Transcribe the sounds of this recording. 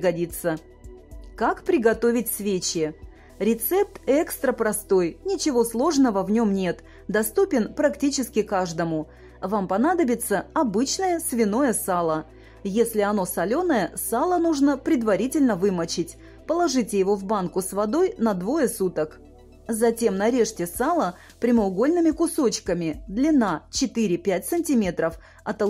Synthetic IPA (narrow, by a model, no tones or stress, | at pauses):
ɡɐdʲit̪sə | kakpɾʲɪɡɐt̪o̞vʲɪt̚ʲsʲvʲet͡ɕɪ | ɾʲɪt̪sɛp̚t̪ɛkst̪ɾəpɾɐst̪o̞jnʲɪt͡ɕɪvo̞slˠo̞ʐnəvəvnʲo̞mnʲe̞t̪ | d̪ɐst̪upʲɪnpɾɐktʲit͡ɕɪskʲɪkaʐd̪əmʊ | vampɐnad̪əbʲɪt̪səɐbɨt͡ɕnəjəsvʲɪno̞jəsalˠə | jesʲlʲɪɐno̞sɐlʲo̞nəjəsalˠənuʐnəpɾʲɪd̪vɐɾʲitʲɪlʲnəvɨmət͡ɕɪtʲ | pəlˠɐʐɨtʲɪjɪvo̞vbankʊsvɐd̪o̞jnɐd̪vo̞jəsut̪ək | zɐtʲe̞mnɐɾʲe̞ʂtʲɪsalˠə | pɾʲɪməʊɡolʲnɨmʲɪkʊso̞t͡ɕkəmʲɪd̪lʲɪnat͡ɕɪt̪ɨɾʲɪpʲæt̚ʲsɨnʲtʲimʲe̞t̪ɾəf | ɐt̪ɐ